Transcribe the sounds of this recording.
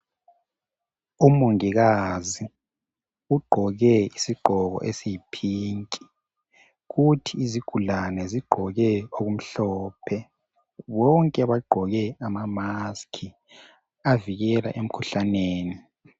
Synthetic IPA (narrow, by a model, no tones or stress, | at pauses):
umoŋiɣazi | uɡ͡ǃʱɔɣɛisiɡ͡ǃʱɔɣɔ̰ʔesipʰiːŋkʼi̥ | ɣutʰiːziɡ̥ʱulanɛziɡ͡ǃʱɔɣɛoɣum̩ɬɔːpʰɛ | βɔŋkʼɛβaɡ͡ǃʱɔɣɛamamaskʰi | aviɣɛla̰ʔem̩kʰuɬaneːni